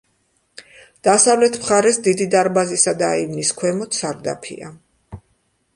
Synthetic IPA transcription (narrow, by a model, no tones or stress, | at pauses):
d̪̥asavlɛt̪ʰmχaɾɛsd̪id̪id̪aɾbazisad̪aivniskʰwɛmɔt̪saɾd̪a̰pʰḭa̰